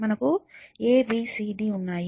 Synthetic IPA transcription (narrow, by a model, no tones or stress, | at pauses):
mɐnɐkueːbiːsiːɖiːunːaːji